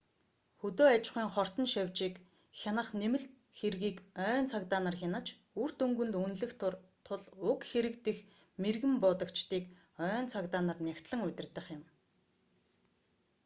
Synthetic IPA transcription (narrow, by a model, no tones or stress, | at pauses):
xɵt̪oːat͡ɕχiːŋχɔr̥t̪ɞ̆nʃawʲt͡ɕiːk | xʲanə̆χnemɘ̆ɬt̪ | xerɣiːkœːnt͡sʰakt̪aːnărxʲanə̆t͡ɕ | ur̥t̪ɵŋɡɵ̆nt̪unɮɘ̆xt̪ʰt̪ʰʊɮʊkxeɾɘ̆kt̪ɘ̆x | merɣɘ̆mpʊːt̪ɞ̆kt͡ɕt̪iːk | œːnt͡sʰakt̪aːnărnʲakʲt̪ɮə̆ŋʊt̪ʲɪ̆rt̪ə̆χjɪ̆m